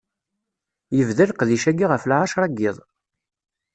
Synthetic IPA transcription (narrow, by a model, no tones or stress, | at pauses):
jəvðælqðiʃæɡiʁəflʕaʃɾˤɑɡːɪðˤ